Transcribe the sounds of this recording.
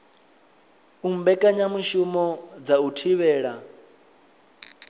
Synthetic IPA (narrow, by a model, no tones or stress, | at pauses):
um̩bɛkʼaɲamuʃumɔd͡zautʰiβɛːɺa